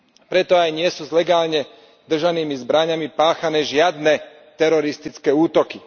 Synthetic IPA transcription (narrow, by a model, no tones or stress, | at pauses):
pɾɛt̪ɔajɲɪɛsuːzlɛɡaːlɲɛ | d̪r̩ʒaniːmizbɾaɲamipaːxanɛːʒɪad̪nɛ | t̪ɛɾɔɾist̪it͡skɛːuːt̪ɔki